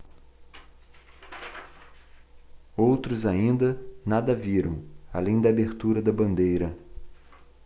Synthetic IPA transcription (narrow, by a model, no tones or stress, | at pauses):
owt̪ɾʊzaĩnd̪ɐnad̪ɐviɾɐ̰̃w̃a̰lẽj̃d̪ɐabeɾt̪uɾɐd̪ɐbɐ̃nd̪ejɾɐ